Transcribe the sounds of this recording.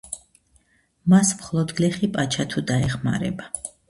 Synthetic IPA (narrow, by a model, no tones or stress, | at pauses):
masmχlˠɔd̪ɡlɛχipʼat͡ʃʰat̪ʰud̪aɛχma̰ɾɛ̰ba